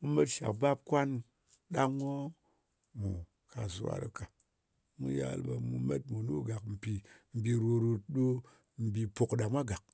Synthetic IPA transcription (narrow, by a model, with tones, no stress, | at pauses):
mu˦me˦tʃa̰˨kba˦p̚kʷa˦n | ɗa˦ŋo˦ | mu˨ | ka˨zṵ˨wa̰˦ɾɨ̰˨ka˨ | mu˦ja̰˦lba˧mu˧me˦t̚mu˨nu˦ɡa˨km̩˨pi˨m̩˨bi˧ɾo˧ɾu˧t̚ɗo˦ | m̩˨bi˧po˨kɗa˨mʷa˦ɡa˨k̚